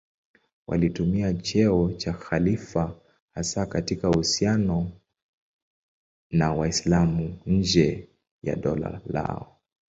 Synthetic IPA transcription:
wʔa̰litumiat͡ʃɛɔt͡ʃaxalifa | hasakatikahusianɔ | nawaislamuɲ̩d͡ʒɛ | ja̰ɗɔla̰la̰ɔ

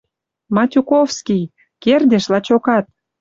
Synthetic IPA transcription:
mɑtʲukofskij | kerd̪ʲeʃlɑt͡ɕokɑt̪̚

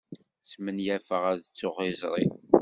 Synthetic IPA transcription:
smənjæfəʁæðət͡sːoχizˤɾˤi

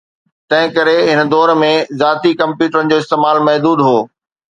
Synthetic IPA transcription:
t̪ɐ̃ɦɪ̃kɐɾeɦɪnd̪ɔːɾmẽzaːt̪ikɐ̃mpjuːʈəɾənɪ̆d͡ʑoːɪst̪eːmaːlmɐɦd̪uːd̪ɦoː

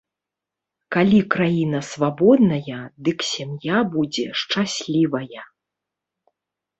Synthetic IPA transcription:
kalʲikɾajinɐsvabɔd̪nɐjɐd̪ɨksʲamjabud͡zʲɛʂt͡ʂasʲlʲivɐjɐ

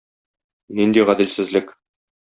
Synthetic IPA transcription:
nind̪iʁæd̪ɘ̆lsɘ̆zlɘk

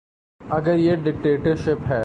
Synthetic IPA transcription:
ɐɡəɾjeɖɪk̚ʈeːʈəɾʃɪpɦɛː

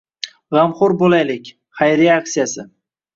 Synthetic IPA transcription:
ʁɑmχʊɾbolajlɪkʲ | χajɾeaksijasɪ

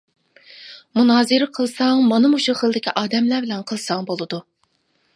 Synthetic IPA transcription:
munɑːzɨɾɨqʰəlˠsɑŋmɑnɨmuʃuχəlˠd̪ɪkʲʰiʔɑːd̪ɛmlæbɪlɛnqʰəlˠsɑŋbolˠɨd̪u

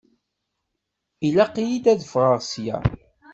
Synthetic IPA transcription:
ilæqːijid̪æðfʁəɾsjæ̰

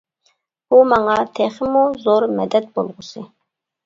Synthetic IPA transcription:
bumɑŋɑt̪ʰɛχɪmuzoɾmɛd̪ɛt̪̚bolˠʁʊsɨ

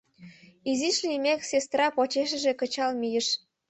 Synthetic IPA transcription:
iziʃlimeksest̪rɑpot͡ɕeʃ̬ə̆ʒekə̆t͡ɕɑlmijəʃ

